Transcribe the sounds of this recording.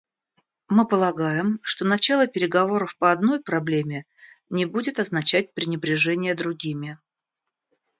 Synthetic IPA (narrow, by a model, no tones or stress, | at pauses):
mɨpəlˠɐɡajɪmʂt̪o̞nɐt͡ɕalˠəpʲɪɾʲɪɡɐvo̞ɾəfpəɐd̪no̞jpɾɐblʲemʲɪ | nʲɪbudʲɪt̪ɐznɐt͡ɕæt̚ʲpɾʲɪnʲɪbɾʲɪʐɛnʲɪjəd̪ɾʊɡʲimʲɪ